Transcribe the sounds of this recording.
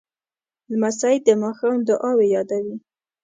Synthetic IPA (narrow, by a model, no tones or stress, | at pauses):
lmasajd̪əmɑxɑnd̪əʔɑwejɑd̪awi